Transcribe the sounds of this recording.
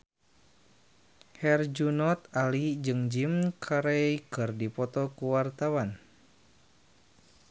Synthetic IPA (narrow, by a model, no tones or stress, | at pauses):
hɛrd͡ʒunɔt̪alid͡ʒɨŋd͡ʒimkʰaɾɛjkɨrdipɔt̪ɔkuwart̪awan